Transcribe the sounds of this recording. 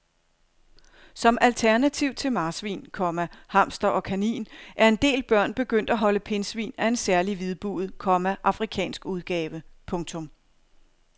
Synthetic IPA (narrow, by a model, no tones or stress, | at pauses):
sɒ̽mælt͡sʰæɐnæt͡sʰiʊ̰t͡sʰe̝lmɑ̈ːsʋḭːnkʰɒ̽mæhɑ̈m̰sd̥ɐʔɒ̽kʰænḭːnʔæɐe̝nd̥e̝̰ːlb̥ɶɐ̰nb̥e̝ɡ̥øn̰d̥æɦɒ̽ləpʰe̝nsʋḭːnæe̝nsæɐliʋið̞ˠb̥ṵð̩ˠkʰɒ̽mæʔɑ̈fʁikʰɛ̰ːnsɡ̥uð̞ˠɡ̥ɛːʋəpʰɔ̽ŋt͡sʰɔ̽m